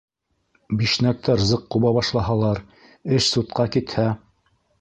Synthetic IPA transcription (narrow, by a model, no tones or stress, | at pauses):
biʃnæk̚t̪æɾzɤqːuβɑβɑʃlˠɑɦɑlˠɑɾ | ɘʃsut̪̚qɑkit̪hæ